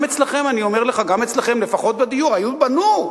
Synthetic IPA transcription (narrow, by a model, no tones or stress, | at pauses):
et͡slaχe̞manio̞me̞ʁleχaɡame̞t͡slaχe̞mlefaχo̞t̪̚bed̪ijuʁajubanu